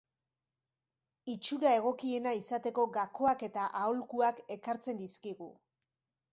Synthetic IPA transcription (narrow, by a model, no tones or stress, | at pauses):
it͡ʃuɾae̞ɣ̞o̞kie̞naisat̪e̞ko̞ɡako̞ake̞t̪aʔaolkuake̞kaɾt͡se̞nd̪iskiɣṵ